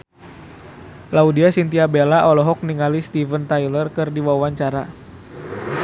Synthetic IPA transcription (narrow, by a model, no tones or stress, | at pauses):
laudiasint̪iabelaʔɔlɔɦɔk̚niŋalist̪ivənt̪ajlərkɨrdiwawaɲt͡ʃaɾa